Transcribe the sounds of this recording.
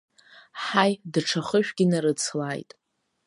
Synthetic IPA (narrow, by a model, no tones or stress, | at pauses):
ħajdʈ͡ʂʰaχəʃᶣɡʲinaɾɨt͡sʰlajtʼ